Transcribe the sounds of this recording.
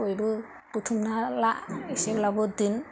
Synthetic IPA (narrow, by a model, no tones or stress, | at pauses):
ojbɯ | put̪ʰumnalaʔiseblabɔd̪in